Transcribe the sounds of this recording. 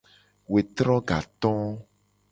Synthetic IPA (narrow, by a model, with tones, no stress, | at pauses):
we˨t̪ɾɔ̃˦ɡa̰˨t̪ɔ̃˦